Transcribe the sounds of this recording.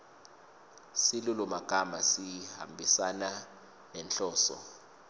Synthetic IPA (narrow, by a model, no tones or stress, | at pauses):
silulumaɡ̥ʱamasiha̰mbʱisana | nɛnɬɔːsɔ̰